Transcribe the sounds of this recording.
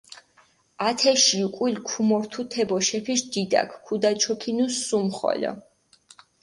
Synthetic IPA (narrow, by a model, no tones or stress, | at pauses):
at̪ʰɛʃiukʼwilkʰumɔɾt̪ʰut̪ʰɛbɔʃɛpʰiʃd̪id̪a̰kʰkʰːud̪at͡ʃʰɔpʰinusːumχɔ̰lɔ̰